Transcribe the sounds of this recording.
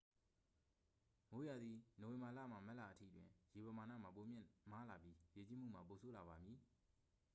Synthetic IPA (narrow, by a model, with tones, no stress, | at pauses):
mo˨˦ja˨d̪ði˨no˨wɪ̃˨mba˨la̰˦˨m̥a˨mɛ˦ʔla˨ʔətʰḭ˦˨twɪ̰̃˨je˨pə˨ma˨na̰˦˨m̥a˨p̬o˨mjɪ̃˦˨ma˦la˨pji˦je˨t͡ɕi˦m̥ṵ˦˨m̥a˨po˨sʰo˦la˨βa˨mji˨